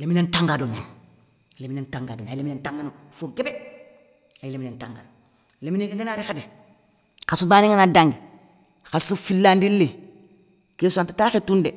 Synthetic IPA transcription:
leminentaŋɡadoɲan | leminentaŋɡadoɲaleminentaŋɡanofoɡebe | laileminentaŋɡano | lemineɡeŋɡenaːɾixadi | xasubaːniŋanadaŋɡi | xasufilːandilːi | keːsuantataxetunde

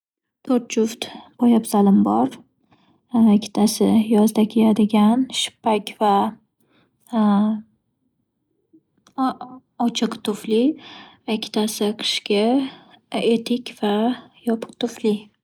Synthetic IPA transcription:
t̪ʰoɾt̪d͡ʒʊft̪b̥ɒjapzalɪmbɒɾ | ɪkʲʰːɪ̥t̪ʰasɪjɒzd̪akʲʰejad̪ɪɡʲanʃɪ̥pːakʲva | ɒt͡ʃʰɨqt̪ʰʊflɪ | ɪkʲʰːɪ̥t̪ʰasɪqʰɨ̥ʃkʲa | et̪ʰɪkʲv̥ajɒpʰɨ̥qt̪ʰʊflɪ

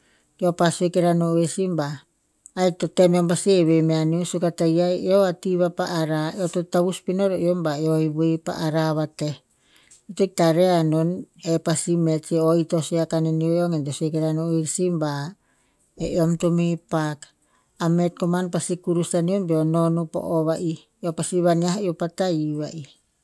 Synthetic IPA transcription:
eopasuekeɾanoesimbaː | jtotemeompasieβemeaniosukatajajeoatiβapaʔːɾaeototaβuspinoɾoombaeojβepa̰ʔaɾaβate | etoitaɾeanonepasimet͡ʃoitosiakaneniojoŋetosekeɾanoiɾsimba | eʔomtomepak | amet̚komanpasikuɾusaniombeononupo̰ʔoβaʔi | opasiβaniaɦiopataiβaʔi

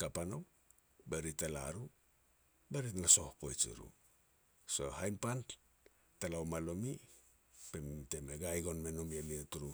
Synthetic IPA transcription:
kapano̞w | beɾitala̰ɾu | beɾitnaso̞hko̞jt͡ʃḭɾṵ | so̞hajmpan | talawmalomi | pemtemeɡajɡo̞nmenomiemietuɾu

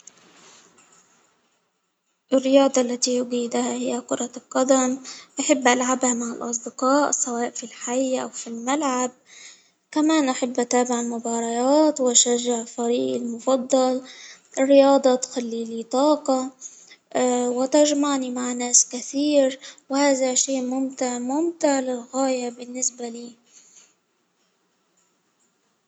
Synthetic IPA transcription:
ʔɪrːɪjɑːd̪ˤɑʔlːat̪ijʊɡiːd̪ahahɪjːakʊɾˤɑlqɑd̪amʔaħɪbːʔalʕabhamaʕɪlʔɑsˤd̪ɪqɑːʔsawɑːʔfilħajːʔawfilmalʕab̚ | kamaːnʔaħɪbːʔat̪aːbɪʕɪlmʊbɑːɾˤɑjaːt̪wʃaʒːaʕfaɾiːʔɪlmʊfɑd̪ˤːɑlʔɪrːɪjɑːd̪ˤɑt̪xalːilit̪ˤɑːqɑ | wɪt̪aʒmaʕnimaʕnaːskaθiːɾwhaːðaʃiːʔmʊmt̪ɪʕmʊmt̪ɪʕlɪlɣaːjabɪnːɪsbaliː

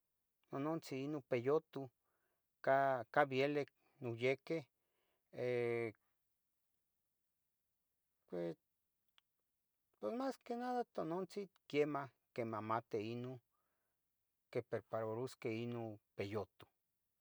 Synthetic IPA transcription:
nonont͡siinopejot̪u | kakaβjelek̚ | nujekeh | e | ke | pwesmaskenaðat̪onont͡sikjema | kemamat̪eino | kepeɾpaɾoɾuskeinopejot̪u̥

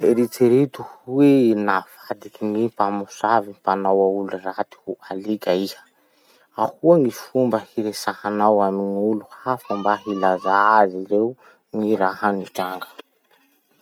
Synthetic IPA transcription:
eɾit͡seɾit̪uhwenafad̪ikiŋipamusaviipanawaulurat̪i̥hualikaihə̥ | ahuaŋifumbəhiɾesahanawaminuluhafumbaɦilazaaziɾeu | ŋiɾaɦaniʈ͡ʂaŋɡə̥

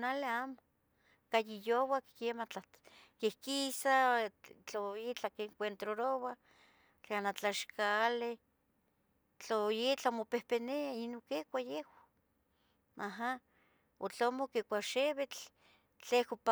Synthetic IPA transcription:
naleamo | kajijowakkemat͡ɬakehkisat͡ɬoit͡ɬakeŋkʷent̪ɾoɾowa | t͡ɬanat͡ɬaʃkale | t͡ɬojit͡ɬamopehpeneainokekʷajehwa | aɦa | ot͡ɬomokekʷaʃeβet͡ɬ | t͡ɬekopa

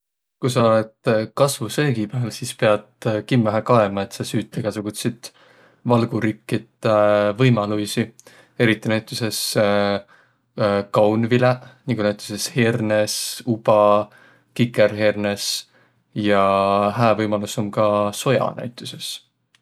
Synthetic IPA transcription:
kujsɑoled̪̥kɑsvuseːɡ̥ipæːlsispe̞ɑd̪̥kimːæɦækɑemɑe̞t̪ːˑsɑsyːt̪ːˑeɡ̥ɑsɑkut̪sid̪̥ | vɑlɡ̥uɾikːit̪vɤjmɑlujsi | e̞ɾit̪ːˑinæjt̪ːˑuse̞s | kɑwnvilenikunæjt̪ʲːˑu̥se̞sherne̞sub̥ɑ | kikːˑeɾɦerne̞s | jɑhæːvɤjmɑlusomkɑso̞jɑ̰næ̰jt̪ːˑuse̞s

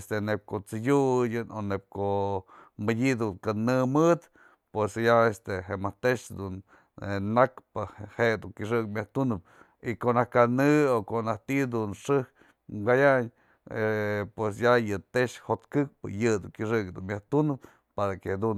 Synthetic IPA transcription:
st̪enep̚koʔt͡sɨjujɨnonep̚koʔmɨdʲid̪unkanɨmɨt̪ | pwesjaest̪eheʔmaht̪eʂd̪un | enakpɨhed̪uŋkiʂ̬ɨkmʲaht̪unɨp̚ | ikoʔnahkanɨokoʔnaht̪iʔd̪unʂɨh | ɡajaɲ | pwes̬jajɨt̪eʔʂhot̪kɨk̚pɨ̰jɨd̪uŋkiʂɨkd̪unmʲjaht̪unɨp̚ | paɾaked̪un

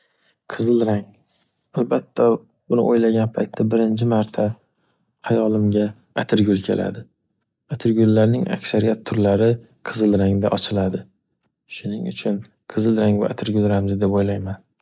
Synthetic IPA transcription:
qʰɨzɨlˠɾaŋ | albat̪ʰːa | bʊnɪ̰ʔojlaɡʲanpʰajt̪ʰːabɪɾɪnt͡ʃʰɪmaɾt̪ʰa | hajɒlˠɪmɡʲa | at̪ʰɪɾɡʲʊlkʲʰe̞̰lʔa̰d̪ɪ | at̪ʰɪɾɡʲʊlːaɾnɪŋa̰kʲsaɾijat̪ʰːʊɾlaɾɪ | qʰɨzɨlɾaŋd̪a̰ʔɒt͡ʃʰɪlad̪ɪ | ʃʊnɪŋʊ̰t͡ʃʰʊn | qʰɨzɪlɾaŋva̰ʔat̪ʰɪɾɡʲʊlɾamzɪd̪e̞pojlajman

